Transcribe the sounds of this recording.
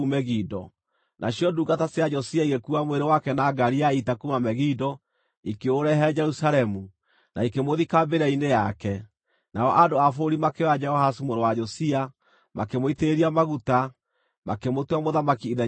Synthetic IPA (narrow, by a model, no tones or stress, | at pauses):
umɛɣidɔ̰ | nʔa̰ɕjɔduɡatasejad͡ʒɔsiaiɣekuamweɾewakɛnaɡaɾiaitakumamɛɣidɔ | ikeoɾɛɦɛɛd͡ʒɛɾusalɛmu | naikemoðikambeɾainejakɛ | naɔʔadoafoɾimakead͡ʒɛhɔhasumoɾewad͡ʒɔsia | makemoiteeɾiamaɣuta | makemotamoðamakiiðɛ